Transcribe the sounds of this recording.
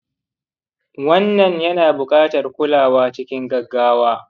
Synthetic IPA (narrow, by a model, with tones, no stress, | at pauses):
wɐ˦nːɐ˨ɲjɐ˦naː˨bʊ˨kʼaː˦tɐ˨rkʷʊ˦laː˨waː˦t͡ʃɪ˦kʲɪ˦ŋɡɐ˨ɡːaː˦waː˦